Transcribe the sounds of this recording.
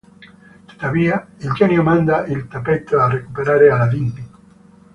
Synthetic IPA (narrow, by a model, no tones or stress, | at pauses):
t̪e̥d̪aβiaeld͡ʒenjomãnd̪aʔelt̪apet̪oarekupeɾaɾealaðinbi